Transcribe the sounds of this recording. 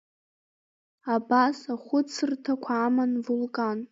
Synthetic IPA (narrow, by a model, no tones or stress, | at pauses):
abasaχʷʊt͡sʰɨrtʰakʷʰaːmanvulkʼan